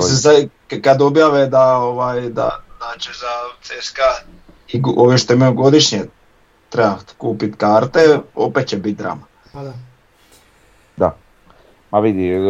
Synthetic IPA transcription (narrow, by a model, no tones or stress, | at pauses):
sesa | kad̪objaʋed̪aoʋaːjd̪a̰naːt͡ʃezaseska | ioʋjeʃt̪oemaoɡo̞d̪iʃɲe | t̪ɾebakuːpit̪kaːɾt̪eo̰pet̪̚t͡ɕebit̪̚d̪ɾa̰ːma | d̪a | maʋid̪i